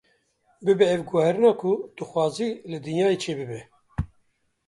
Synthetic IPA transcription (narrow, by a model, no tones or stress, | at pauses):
bɨbɛɛvɡuhɛɾɨnɑːkʰʊd̪̥ɨxwɑːziːlɨd̪ɨnjɑːjet͡ʃʰeːbɨbɛ